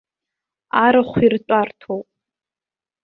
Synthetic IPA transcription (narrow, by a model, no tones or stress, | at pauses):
aɾɨχʷirt͡ʃʷʼartʰowpʼ